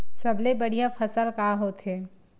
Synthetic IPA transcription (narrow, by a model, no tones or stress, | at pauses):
sɐblebɐɽ̤ijafʰɐsəlkaːɦot̪ʰɦeː